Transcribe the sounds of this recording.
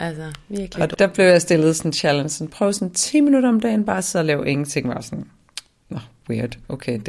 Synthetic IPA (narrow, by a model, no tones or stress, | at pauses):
ʔælsɐʋiɐɡ̥ɒ̽d̥ɑb̥le̝ʊjɑ̈ɪsd̥e̝lð̞̩ˠsɒnɕʰælənsn̩pʰʁœʊsɔ̽nt͡sʰḭːminuɾɐɒ̽md̥ɛ̰ːnb̥ɑ̈ːsʰeð̰ˠɐlɛːʊʔe̝ŋn̩t͡sʰeŋ̰ʋɑ̈sɒ̽n | nɒwiɐd̥ʔoʊkʰeɪd̥